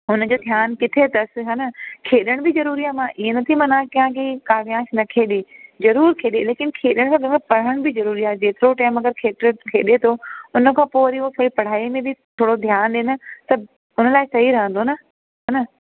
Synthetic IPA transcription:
ʊnə̆d͡ʑoːd̪ʱjaːnkɪt̪ʰet̪ɐs̆ɦɐnɐkʰeːɗəɽ̃bɪzɐɾuːɾiaːemãʔienɐt̪ʰimɐnãːkĩjãkʰekaːʋijãːʃnɐkʰeːɗezɐɾuːɾkʰeːɗeleːkɪnkʰeːɗəɽ̃kʰãːɡə̃pɐɽ̤əɽ̃bɪzɐɾuːɾiaːɦd͡ʑeːt̪ɪɾoʈaːɪmɐɡəɾkʰeːt̪ɪɾəkʰeːɗet̪ʰoʊnə̆kʰãːpoːɐɾiɦot̪ʰoːɽipɐɽ̤aːimẽbɪt̪ʰoːɽod̪ʱjaːnɗeːnɪ̆t̪ɐ | ʊnə̆laːɪsɐɦiɾɐɦə̃nd̪onə | ɦɐnɐ

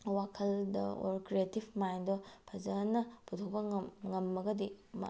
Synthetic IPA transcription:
wakʰɐldɐ̰o̰ɾkɾietibʰmajndopʰɐzɐnːɐputʰok̚pɐmŋɐmːɐɡɐdima̰

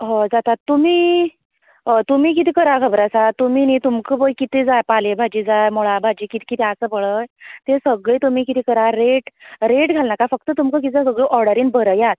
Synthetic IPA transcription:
ɦɔ̃d͡zat̪at̪ːum̤iː | t̪um̤iːk̬it̪iːkəɾakʰəbɾasat̪ːum̤init̪umkəbəjkit̪ed͡zajpalebʱad͡ʑiːd͡zajmuɭabʱad͡ʑiːkit̪ʰi̥kit̪ʰeasəːpəɭəjt̪esəɡɭeːt̪um̤iːkit̪ikəɾaɾeʈɾeʈɡʱalnakafək̚t̪ət̪umkək̬it̪ias̬əɡɭeʔɔɾɖəɾiːnbəɾəjat̪̚

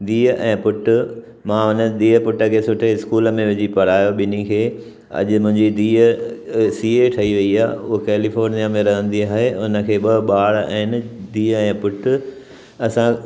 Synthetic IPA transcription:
d̪iːəʔɛ̃ːpʊʈʊ̆ | mãʊnə̆d̪iːɦəpʊʈə̆kʰeːsʊʈʰeɪskuːləmẽʋɪd͡ʑipɐɽ̤aːjoɓɪnikʰeː | ɐ̰ʄʊmʊ̃ɦɪ̃ɲd͡ʑid̪iːəsiːeʈʰɐiʋɐiaːʊɦokeːlifoːɾnijamẽɾɐɦə̃nd̪iaːɦeʊnə̆kʰeːɓɐɓaːɽɛ̃ːɪnɪd̪iːəɛ̃ːpʊʈʊ | ɐsã

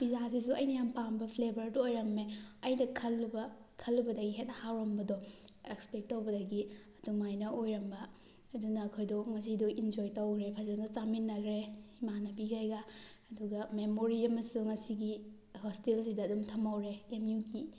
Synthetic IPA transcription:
b̥izas̬is̬uɐjnɐjampanbɐpʰlebʱɐɾduojɾɐmeɐjnɐkʰɐlːubɐkʰɐlːubɐdɐɡiɦet̚nɐhawɾɐmbɐdɔ | ekspek̚tːɐwbɐdɐɡiɐdumajnɐojɾɐmbɐː | dunɐːkʰojdɔŋɐs̬idɔʔind͡ʒojtowɡɾepʰazndɔt͡ʃaminːɐɡɾeimanɐbiɡʰajɡa | ɐduɡɐmemoɾiɐmɐsuŋɐsiɡi | hostilsidɐːdumtʰɐmawɾeːmjuki

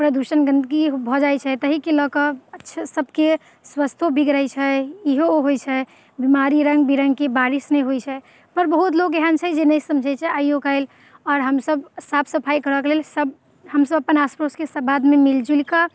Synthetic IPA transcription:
pɾəd̪usənɡənd̪ɡibʱɔd͡ʒajt͡ʃʰɛt̪əɦikeləkəətːʃʰsəbke | swəst̪ʰobʱiɡɾəjt͡ʃʰɛiɦoɦojt͡ʃʰɛ | bimaɾiɾəŋɡ̚biɾəŋɡkebaɾisnɛjɦojt͡ʃʰɛ | pəɾbəɦut̪lokeɦənt͡ʃʰɛd͡ʒenəjsəmd͡ʒʱət͡ʃʰɛajoɡaɪl | ɔːɾɦəmsəbsapʰsəpʰajkəɾəklelsəb̚ | həmsəbəpənaspɾoskesəbad̪memild͡ʒulkə

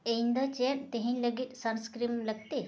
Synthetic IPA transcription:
eind̪ət͡ɕent̪eɦiɲləɡit̪sənskɾimləɡ̚t̪e

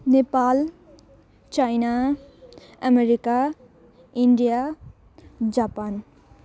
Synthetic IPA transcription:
nepal | t͡ʃajna | ʌmeɾika | iɳɖija | d͡zapan

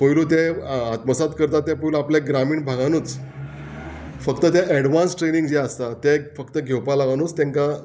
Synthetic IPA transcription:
pəjlut̪̬ẽat̪məsat̪kəɾt̪at̪ːɛ̃pəjloapleɡɾamiːɳbʱaɡanuːt͡s | fəkt̪ət̪jaʔɛɽʋãnsʈɾenĩŋɡd͡ʑɛast̪at̪ɛfəkt̪əɡʱewpalaʋanuːt͡st̪ẽŋka

